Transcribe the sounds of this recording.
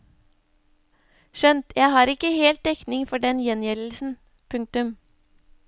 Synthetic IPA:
ʃœnt̪ʰjæɪhɑːɾɪkəheːlt̪̚d̪ɛknɪŋfɔɖɛnjɛnjɛll̩sn̩ | pʰʉŋk̚t̪ʉm

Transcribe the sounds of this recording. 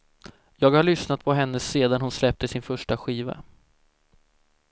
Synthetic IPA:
jɑːɡhaɭʏsnat̪̚pʰɔɦɛnːəseːd̪anhʊnslɛp̚t̪əsɪnfœʂʈaɧiːva̰

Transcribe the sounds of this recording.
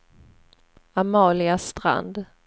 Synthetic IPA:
amɑːlɪast̪ɾa̰nd̪

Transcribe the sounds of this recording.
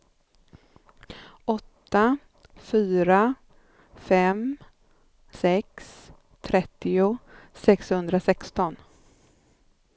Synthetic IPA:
ɔt̪ːa | fyːɾa | fɛm | sɛks | t̪ʰɾɛt̪ːɪʊsɛkshɵnd̪ɾasɛkst̪ɔn

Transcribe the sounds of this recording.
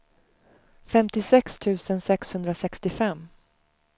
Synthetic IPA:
fɛmt̪ɪsɛkst̪ʰʉ̟ːsənsɛkshɵnd̪ɾasɛkst̪ɪfɛmː

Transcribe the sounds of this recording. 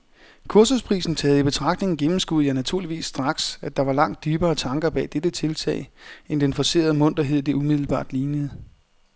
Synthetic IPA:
kʰuɐsuspʰʁḭːsn̩t͡sʰɛːð̩ˠib̥e̝t͡sʰʁɑ̈ɡ̥d̥ne̝ŋn̩ɡ̥emm̩sɡ̥uð̩ˠjænæt͡sʰuɐ̰liʋḭːsːd̥ʁɑ̈ɡ̥sæd̥ɑ̈ʋɑ̈lɑ̈ŋ̰d̥̚ːyːb̥ɐːt͡sʰɑ̈ŋɡ̥ɐb̥ɛ̰ːd̥ed̥ət͡sʰe̝lt͡sʰɛ̰ɪend̥enfɒse̝̰ːɐð̞̩ˠmɔ̽n̰d̥ɐɦe̝ð̞̰ˠd̥e̝umið̞̰ˠl̩b̥ɑ̰̈ːd̥liːnəð̩ˠ

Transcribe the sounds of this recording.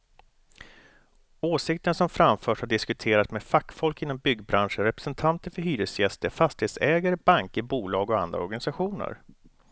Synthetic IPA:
oːsɪkt̪əɳsɔmfɾamfœːʂhaɖɪskɵt̪ʰeːɾat̪smefakːfɔlkɪnːɔmbʏɡbɾanʂənɾɛpɾɛsɛnt̪ʰant̪əɾfœɾɦyːɾəsjɛst̪əɾfast̪ɪheːt̪sɛːɡaɾəbaŋkəbuːlɑːɡɔa̰nd̪ɾa̰ɔɾɡanɪsaɧuːnə̰ɾ

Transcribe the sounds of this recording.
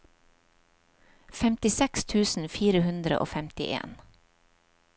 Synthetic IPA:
fɛmt̪ɪsɛkst̪ʰʉːsn̩fiːɾəhʉnd̪ɾə̰ʔo̰ːfɛmt̪ɪʔḛːn

